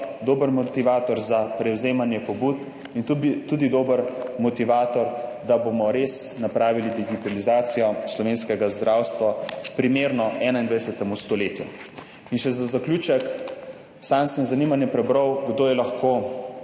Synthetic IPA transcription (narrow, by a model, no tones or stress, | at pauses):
d̪oːbəɾmɔt̪iʋaːt̪ɔɾzapɾɛwzeːmanjɛpɔbut̪ | int̪ud̪id̪oːbəɾmɔt̪iʋaːt̪ɔɾd̪abomɔɾesnapɾaːʋilid̪iɡit̪alizaːt̪sijɔslɔʋeːnskɛɡazd̪ɾawst̪ʋapɾimeːɾnɔɛːnaind̪ʋaɛsɛt̪ɛmust̪ɔleːt̪ju | inʃɛzazakluːt͡ʃɛk | sansənzanimanjɛpɾɛbɾəwɡd̪oːjɛlaxkoː